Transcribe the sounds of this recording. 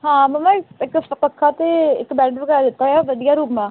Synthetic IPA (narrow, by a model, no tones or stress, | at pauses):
ɦãːməmãːɪkpəpəkʰːaːt̪eːɪ̰kbɛ̃ːʈbəɡaːaːd̪ɪt̪ːaːjaːʋəd̪ijaːɾuːpmãː